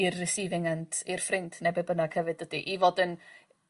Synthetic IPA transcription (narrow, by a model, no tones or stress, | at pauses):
irːɪsiːvɪŋantʰir̥frɪntʰnɛbɪbənaɡ̥həvɨdəd̥iʔivɔdən